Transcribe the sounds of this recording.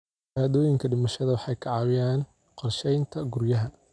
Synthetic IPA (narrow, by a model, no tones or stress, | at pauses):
aːðɔːjɪŋkʰɐɖɪmɐʃɐðɐwɑħɑjkʰɑʕɑːwɪjaːn | qɔrʃɛjnt̪ʰɐɡʊrjɐɦɐ